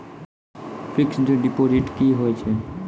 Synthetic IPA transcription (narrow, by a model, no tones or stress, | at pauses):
pɾɪksd͡ʒoɖipoziʈkiɦojt͡ʃʰe